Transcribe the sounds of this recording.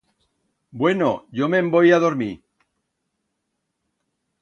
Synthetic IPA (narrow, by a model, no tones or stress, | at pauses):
bwe̞no̰ʝo̞me̞mbo̞jaðo̞ɾmi